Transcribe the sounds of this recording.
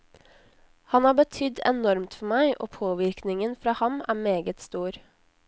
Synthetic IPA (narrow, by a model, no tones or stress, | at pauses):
hɑnæːbət̪ʰʏd̪ɛ̰nɔɾmt̪fɔmæɪʔo̰ːpʰoːʋɪɾknɪŋənfɾɑːhɑmæːmeːɡət̪st̪uːɾ